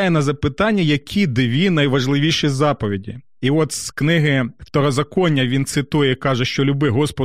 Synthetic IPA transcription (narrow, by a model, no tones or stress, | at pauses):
jɛnɐzɐpɪt̪ɑnʲːɐjɐkʲʰid̪ɪʋʲinɐjʋɐʒlˠɪʋʲiʃizɑpɔʋʲidʲḭ | iɔt̪sknɪɦɪft̪ɔɾɔzɐkɔnʲːɐʋʲint̪sɪt̪ujɛkɑʒɛʃt͡ʃɔlʲʊbɪɦɔspɔ